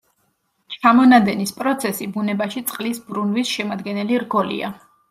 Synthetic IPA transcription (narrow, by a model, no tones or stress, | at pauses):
t͡ʃʰamɔnad̪ɛnispʼɾɔt̪sʰɛsibunɛbaʃit̪sʼqʼlisbɾunvisʃɛmad̪ɡɛnɛliɾɡɔlḭa̰